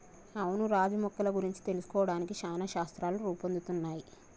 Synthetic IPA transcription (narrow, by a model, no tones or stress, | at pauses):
ɐwunuɾaːd͡ʒimɔkːɐlɐɡuɾiɲt͡ʃi̥t̪e̞lusu̥kɔːʋɐɽaːnikiʃaːnɐʃaːst̪ɾaːluɾuːpond̪ut̪unːaːji